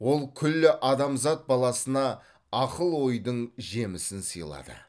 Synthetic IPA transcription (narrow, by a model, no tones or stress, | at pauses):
wo̞lˠkʲʰʏlːɪʔɑd̪ɑmzɑt̪̚bɑlˠɑsənɑː | qəlˠwo̞jd̪əɴʒemɪsɪnsə̰jlˠɑ̰d̪ə̰